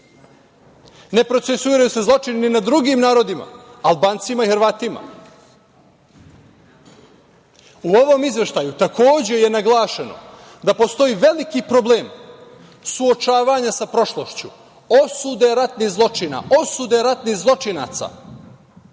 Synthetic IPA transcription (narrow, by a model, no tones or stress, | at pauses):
ne̞pɾo̞t̪sesuiːɾajuse̞zlˠo̞t͡ʃinininad̪ɾuɡiːmnaːɾo̞d̪ima̰alˠbaːnt̪simaixɾʋaːt̪ima̰ | uo̞ʋo̞mizʋe̞ʃt̪ajut̪akʰo̞ːd͡ʑe̞je̞naɡlˠaːʃeno̞̰ | d̪apo̞st̪o̞iːʋe̞likipɾo̞ble̞ːm | suo̞t͡ʃaːʋaɲasapɾo̞ʃlˠo̞ʃt͡ɕu | osud̪e̞ɾat̪nihzlˠo̞t͡ʃina̰o̞sud̪e̞ɾat̪nihzlˠo̞t͡ʃina̰ːt̪sa̰ː